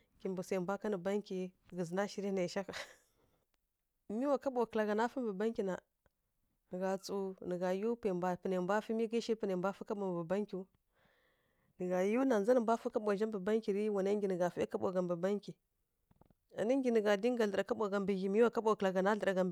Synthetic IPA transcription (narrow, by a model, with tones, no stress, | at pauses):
ki˨mbu˨sa˨mbʷa˦ka˦ni˨ba˦ŋki˨ɡə˨zna˦ʃi˦ɾi˦na˨ʃa˦ka˨ | mi˦wa˨ka˦ɓo˨kla˨ɡa˨na˦fə˦m˦bə˨ba˦ŋkʲi˨na˨ | n˨ɡa˨t͡su˨nə˨ɡa˨ju˦pe˨mba˨pi˨ne˨˦bʷa˦fi˦mi˦ɡi˦ʃi˦pə˨ne˨mbʷa˦fu˦ka˦ɓo˨m˨bə˨ba˦ŋkʲi˨u˦ | nə˨ɡa˨ju˦na˨n˨za˦nə˨mbʷa˦fu˦ka˦ɓo˨ʒa˦mbə˨ba˦ŋkʲi˨ɾi˦wa˨na˦ŋɡʲi˨nə˨ɡa˨fi˦i˦ka˦ɓo̰˨ɡa˨mbu˨ba˦ŋkʲi˨ | a̰˨ni˦ŋɡʲi˨nə˨ɡa˨di˦ŋ˦ɡa˨ɮə˨ɾa˨ka˦ɓo˨ɡa˨mbi˨ɣi˨mi˦wa˨ka˦ɓo˨kla˨ɡa˨na˦ɮə˨ɾa˨ɡa˨mb